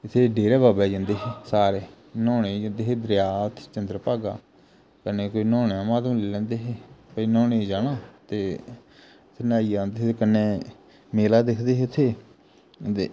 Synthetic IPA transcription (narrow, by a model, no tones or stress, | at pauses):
ɪt̪ʰːeːɖeːɾɛːbaːbɛːd͡ʒãːnd̪eːɦeːsaːɾeː | nɔːned͡ʒãːnd̪eːɦeːd̪ɾjaːt̪ʰt͡ʃənd̪ɾəpaːɡa̰ː | kəneːkoːiːnɔ̃ːneãːmaːd̪mleːlɛ̃ːnd̪eːɦeːpəinɔːned͡ʒaːnãːt̪eː | t̪ʰːenaːiːd͡ʒãːnd̪eːɦeːekənːeː | meːlaːd̪ekʰd̪eːɦet̪ʰːeː | e